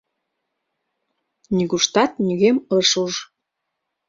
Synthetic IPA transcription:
nʲiɣuʃt̪ɑt̪̚nʲyɣemɤʃuʒ

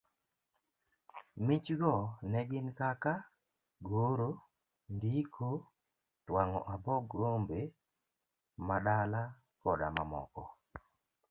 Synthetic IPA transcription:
mɪt͡ʃɡɔnɛɡɪnkaka | ɡoɾo | ndikʰo | twaŋɔ̰ʔabɔɡɾombe | maɗala | kɔda̰mamɔ̰kɔ

